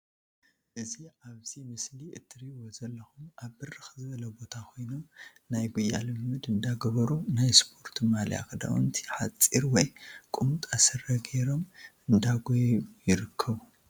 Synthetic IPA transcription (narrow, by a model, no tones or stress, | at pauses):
ʔɨziaβzimɨsliʔɨt̪ʰːɨɾiwozɐlːɐxumaβːɨrɨxzɨβɐlɐbo̞t̪ʰakʰo̞jno̞m | najɡujːa̰lɨmːɨd̪ɨnd̪aɡɐβɐɾunajspʰo̞ɾt̪ʰimalja̰kɨd̪a̰wṵnt̪ʰi̥ħat͡sʼiɾwɔjkʼumut̪ʼasɐɾɐɡeɾo̞mɨnd̪aɡojβujɪɾɨkʰːɐβu